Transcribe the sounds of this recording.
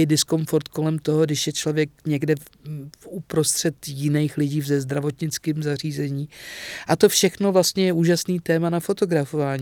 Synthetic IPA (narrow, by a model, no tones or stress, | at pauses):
ɪdɪsko̞mfo̞ɾt̪ko̞lɛmt̪o̞ɦo̞ɡdɪʃjɛt͡ʃlo̞vjɛk̚ɲɛɡdɛ | fʔupɾo̞st̪r̝̥ɛt̪jɪnɛjxlɪɟiːvzɛzd̪ɾavo̞t̪ɲɪt͡skiːmzar̝iːzɛɲiːʔat̪o̞fʃɛxno̞vlast̪ɲɛjɛʔuːʒasniːt̪ɛːmanafo̞t̪o̞ɡɾafovaːɲi